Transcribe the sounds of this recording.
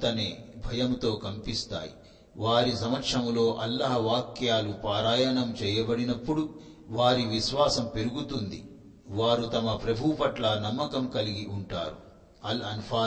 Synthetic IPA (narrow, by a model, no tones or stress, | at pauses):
t̪ɐneːbʱɐjɐmt̪o̞ːkɐmpist̪a̰ːjḭ | ʋaːɾisɐmɐkʂɐmlo̞ːʔɐlːɐɦɐʋaːkjaːlupaːɾaːjɐnɐmt͡ʃɛːjɐbɐɽinɐpːuɽu | ʋaːɾiʋiʃʋaːsɐmpe̞ɾuɡut̪und̪ḭ | ʋaːɾut̪ɐmɐpɾɐbʱupɐʈlɐnɐmːɐkɐmkɐliɡiʔuɳʈa̰ːɾṵ | ɐlɐnupʰaː